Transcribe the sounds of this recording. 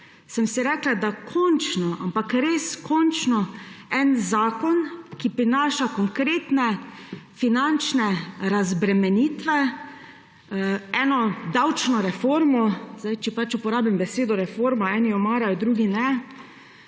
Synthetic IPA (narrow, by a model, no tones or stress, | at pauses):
səmsiɾɛklad̪akʰɔnt͡ʃnɔʔampakɾeːskʰɔnt͡ʃnɔɛnzaːkɔnkipɾinaːʃakɔŋkɾeːt̪nɛfinant͡ʃnɛɾazbɾɛmɛniːt̪ʋɛ | ɛːnɔd̪awt͡ʃnɔɾɛfoɾmɔzajt͡ʃɛpat͡ʃupɔɾaːbimbɛseːd̪ɔɾɛfoːɾmaɛːniɔmaːɾald̪ɾuːɡinɛ